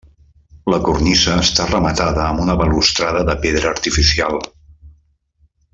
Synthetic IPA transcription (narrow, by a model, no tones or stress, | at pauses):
ləkurnisəːst̪arəmət̪aðəːmunəβəlust̪ɾaðəðəpeðɾəːɾt̪ifisialˠ